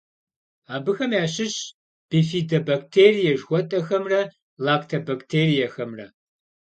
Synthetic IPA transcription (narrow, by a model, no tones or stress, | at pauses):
aːbɨxɐmjaːɕɪɕ | b̥ifiːdɐbak̚tʰeːrijɛʒxʷɔtʼɐxɐmrɐ | laːktʰɐbaktʰeːrijɐxɐmrɐ̰